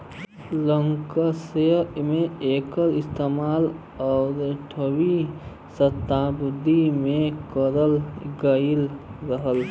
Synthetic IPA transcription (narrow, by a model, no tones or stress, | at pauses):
ləŋkəsemẽekəɾɪst̪eːmaːl | ɔʊɾʈʰəwi | sət̪ːabʊd̪ʱimẽkəɾəlɡəilɾəɦəl